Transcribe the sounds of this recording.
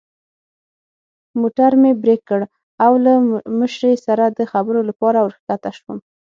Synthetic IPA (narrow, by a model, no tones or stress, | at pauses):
moʈaɾmebɾekːəɽ | awlaməʃɾesaɾad̪əxabəɾolapɑɾawəɾxkat̪aʃwəm